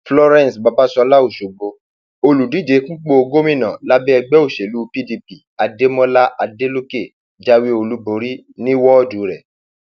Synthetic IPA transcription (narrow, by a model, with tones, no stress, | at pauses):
flɔ˧ɾɛ̃˨sba˧ba˨˦sɔ˧la˦o˦˨ʃo˨ɡ͡bo˧ | o˧lu˨di˦˨d͡ʒe˨˦k̩˦k͡po˦o˧ɡo˦mĩ˦˨nã˨la˦bɛ˦ɛ˧ɡ͡bɛ˦o˦˨ʃe˨lu˨˦pi˦di˧pi˨a˨˧de˦mɔ̃˦la˦ʔa˧de˦lo˦ke˦˨ | d͡ʒa˦wi˦o˧lu˨˦bo˨ɾi˦ | nĩ˦wɔ˦ɔ˦˨du˨˦ɾɛ˨